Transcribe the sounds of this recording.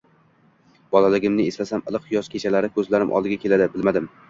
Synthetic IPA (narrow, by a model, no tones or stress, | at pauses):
b̥ɒlalɪɡʲɪmnɪest̪asamɨlˠɨqjɒskʲʰet͡ʃʰalaɾɪkʰɵzlaɾɪ̰mʔɒ̰lˠd̪ɪɡʲakʲʰe̞lad̪ɪbɪlmad̪ɪm